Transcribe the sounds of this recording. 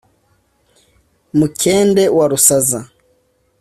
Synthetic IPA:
mukʰɛndɛwaɾusaza

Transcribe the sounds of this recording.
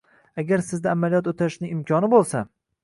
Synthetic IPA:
aɡʲaɾsɪzd̪aːmalijɒt̪ot̪ʰaɾɪʃnɪŋɪmkʲʰɒnɪbolˠsa

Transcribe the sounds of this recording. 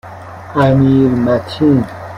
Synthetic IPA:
amiɾmat̪ʰin

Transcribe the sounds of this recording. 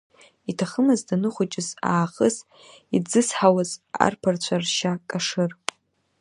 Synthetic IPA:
itʰaχəmɨzdanɨχʷʊt͡ʃʼɪza̰ːχəz | id͡zɨsħawaza̰rpʰart͡ɕʷʰarʃakʼaʂɨr

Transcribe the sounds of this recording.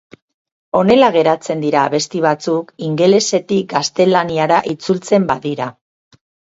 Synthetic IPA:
o̞ne̞laɣ̞e̞ɾat͡se̞nd̪iɾaːβe̞st̪iβ̞at͡sukiŋɡe̞le̞se̞t̪ik̚ɡast̪e̞laniaɾaʔit͡sult͡se̞mbaðiɾa

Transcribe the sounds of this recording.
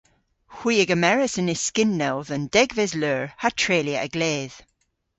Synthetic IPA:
hw̥iːəɡəmɛɹəsənɪskɪnːɛlˠðə̃nd̥ɛɡvɛzløːɹhatʰɹ̥eːljəʔəɡ̥leːð̥

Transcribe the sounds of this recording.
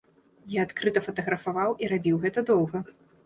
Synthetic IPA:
jaːt̪kɾɨt̪ɐfɐt̪ɐɣɾɐfavawʔiɾabʲiwɣɛt̪ɐd̪ɔwɣɐ

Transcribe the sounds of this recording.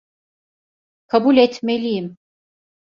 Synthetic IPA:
kʰabulʲet̪ʰmelʲijim

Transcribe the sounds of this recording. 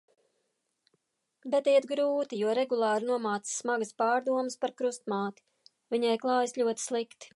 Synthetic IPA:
bɛt̪ijɛt̪ɡɾuːt̪ijuɔɾɛɡulˠɑːɾnuɔmɑːt̪sssːmaɡəspɑːɾd̪uɔmɨspaɾkɾust̪mɑːt̪i̥ | vʲiɲɛjklˠɑːjəslʎʲuɔt̪i̥slˠikt̪i̥

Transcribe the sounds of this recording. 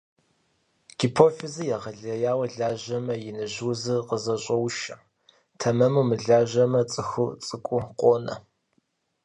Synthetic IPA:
ɡ̥ipʰoːfizɨjaʁɐɮɐjaːwɐɮaːʑɐmɐjɪnɨʑuzɨqəzɐɕʼɐwʃɐ | tʰɐmɐmumɨɮaːʒɐmɐt͡sʼɨxut͡sʼɨkʷʼʊqʷʼoːnɐ̰

